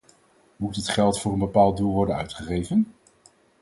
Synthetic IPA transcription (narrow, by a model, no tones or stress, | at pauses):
mutətχɛlˠtfʊːɹənbəpaːlˠd̚dulˠʋɔɹdənœ̰ɥtχəχejvən